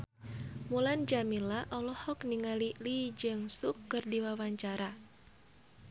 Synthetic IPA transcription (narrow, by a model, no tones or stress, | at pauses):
muland͡ʒamilaʔɔlɔhɔkniŋalilid͡ʒɨŋsukːɨrdiwawaɲt͡ʃaɾa